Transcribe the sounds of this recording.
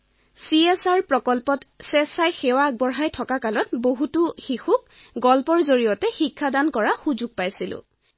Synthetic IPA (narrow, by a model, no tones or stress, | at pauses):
siesaɹpɹɔkɔlpɔtsɛsajxewaːɡ̚bɔɹɦajtʰɔkakalɔtboɦutʊxixuk̚ | ɡɔlpɔɹzoɹijɔtɛxikʰːadankɔɹaxuzuɡ̚pajsilʊ̰̃